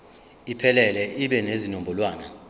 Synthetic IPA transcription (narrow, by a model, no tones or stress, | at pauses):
ipʰɛlɛlɛʔiɓɛnezinombʱɔlwaːna̰